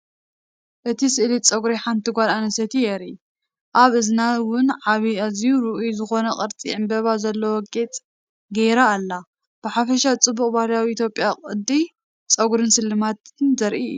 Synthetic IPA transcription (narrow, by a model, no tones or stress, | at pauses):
ʔɨt̪ʰisɨʔlit͡sʼɐɡɾiħant̪ʰiɡʷalanɐsɐt̪ʰijeɾi | ʔaβʔɨznawʊnʕaβiazjuɾɨʔujzɨxo̞nɐkʼɐɾt͡sʼḭʕɨmbɐβazɐlːowɔkʼːet͡sʼ | ɡejɾaːlːa | b̥ɨħafɐʃat͡sʼɨbːukʼbahljawiit̪ʰjo̞pʼjakʼɨd̪i | t͡sʼɐɡɾɨnsɨlːɨmat̪ɨnzɐɾʔḭjːu